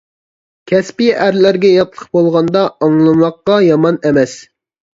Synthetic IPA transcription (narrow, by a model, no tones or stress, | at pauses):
kʲʰɛspiʔæɾlæɾɡʲɛjɑt̪lˠəqbolˠʁɑnd̪ɑɑŋlˠɨmɑqːɑjɑmɑnɛmɛs